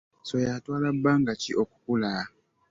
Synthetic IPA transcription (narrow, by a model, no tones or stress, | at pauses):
sojatwaːlabːaŋɡat͡ʃiʔoku̥kula